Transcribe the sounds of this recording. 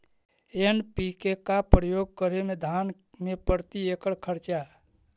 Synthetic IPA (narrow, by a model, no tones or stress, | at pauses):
enpikekapɾəjoːɡ̚kəɾemẽd̪ʱaːn | mẽpəɾt̪iekəɽkʰəɾt͡ʃa